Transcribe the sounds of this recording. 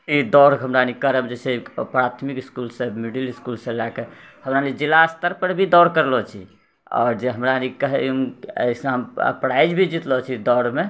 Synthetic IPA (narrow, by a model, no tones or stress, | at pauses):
id̪ɔɾɦəmɾanikəɾəbd͡ʒesʰeipɾat̪ʰmikiskulsə̃miɖiliskulsə̃lakehəmɾanid͡ʒilast̪əɾpəɾbʱid̪ɔɾkəɾlɔt͡ʃʰḭ | ɔ̰ːɾd͡ʒeɦəmɾanikəɦɛmə̰isə̃ɦəmə̰pɾajid͡ʒbʱid͡ʒit̪lɔt͡ʃʰid̪ɔɾme